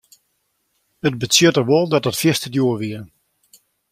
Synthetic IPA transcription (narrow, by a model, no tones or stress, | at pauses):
əd̚bətsjøtərʋolˠdɔtətfjɪstədjuəʋiə